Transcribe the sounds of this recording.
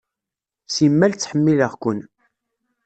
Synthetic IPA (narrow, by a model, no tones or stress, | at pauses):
simːælt͡sːħəmːiləʁkʷən